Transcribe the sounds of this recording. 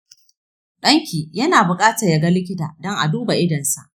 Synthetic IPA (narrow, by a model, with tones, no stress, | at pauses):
ɗɐ˦ŋkʲiː˨jɐ˦naː˨bʊ˨kʼaː˦tɐ˨rja˨ɡa˦lɪ˦kʲɪ˦ta̰ː˨dɔ˦ŋʔa˨duː˦ba˨ʔɪ˦dɐ˨nsa̰˨ʔ